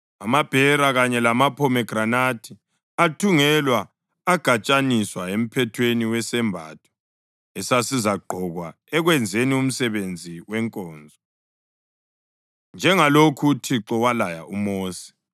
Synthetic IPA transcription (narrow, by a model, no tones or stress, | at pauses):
amab̥ʱɛɾaɣaɲɛlamapʰɔmɛɡ̥ʱranatʰi | atʰuŋɛlwaː | ɡ̥ʱat͡ʃʼaniswaem̩pʰɛtʰweniwɛsɛmbʱa̰ːtʰɔ̥ | ɛsasizaɡ͡ǃʱɔɣwa | ɛɣwɛnd͡zʱenium̩sɛβend͡zʱiwɛŋkʼɔːnd͡zʱɔ | nd͡ʒʱɛŋalokʰutʰiǁɔwalaja̰ʔumoːsi̥